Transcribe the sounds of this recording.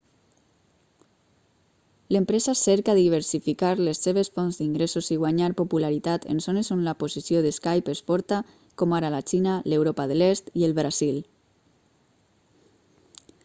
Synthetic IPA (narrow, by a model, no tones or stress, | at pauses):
ləmpɾɛzasɛɾkaðiβ̞əɾsifikaɾlesːeβ̞esfɔnzd̪iŋɡɾesoziɣwaɲaɾpopulaɾit̪at̪ḛnzonezonlapozisioðeskajpesfɔɾt̪a | komaɾalat͡ʃinalewɾopaðəlest̪iəlˠβɾazil